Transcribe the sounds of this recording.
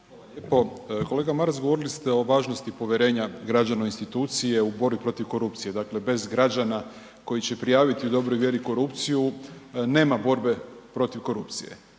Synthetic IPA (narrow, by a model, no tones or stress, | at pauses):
alaljepo̞ko̞leɡamaɾzɡoʋo̞ɾilist̪eo̞ʋaːʒnost̪ipo̞ʋʲjeɾe̞ːɲaɡɾad͡ʒanoinst̪it̪uːt̪sije̞ubo̞ɾbipɾo̞t̪iʋko̞ɾup̚t̪sije̞d̪akle̞be̞zɡɾad͡ʒana | ko̞jit͡ɕe̞pɾijaːʋit̪iud̪o̞bɾojʋʲje̞ɾiko̞ɾupt̪sijune̞ːmabo̞ɾbe̞pɾo̞t̪iʋko̞ɾupt̪sijḛ